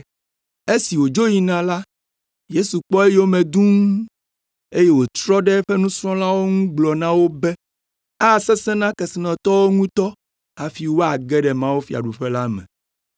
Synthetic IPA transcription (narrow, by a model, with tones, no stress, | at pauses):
e˦si˨wo˨d͡ʒo˦ji˨nã˨la˦ | je˦su˨k͡pɔ˦e˦jwo˦mɛ̃˨d̪ũ˦ŋ˦ | e˦je˦wo˨t͡ʃɾɔ˦ɖɛ˦ɸɛ˦nũ˦sɾ̃ɔ̃˦la˦wo˦ŋũ˦ɡ͡blɔ˨nã˦wo˦bɛ˦ | a˦˨sɛ˦sɛ̃˦nã˦kɛ˨si˨nɔ̃˨t̪ɔ˦wo˦ŋũ˦t̪ɔ˦ | a˨fi˦wo˦a˨ɡɛ˦ɖɛ˨mã˦wo˦fi˨a̰˨ɖu˨ɸɛ˦la˦mɛ̰̃˨